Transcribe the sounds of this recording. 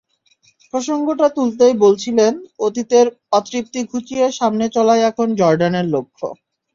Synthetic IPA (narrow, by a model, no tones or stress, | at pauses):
pɾoʃoŋɡoʈat̪ult̪̬ejbolt͡ɕʰilenot̪it̪eɾ | ɔt̪ːɾip̚t̪iɡʱut͡ɕijeʃamnet͡ɕɔlajɛkʰond͡ʑɔɾɖaneɾlokʰːo̰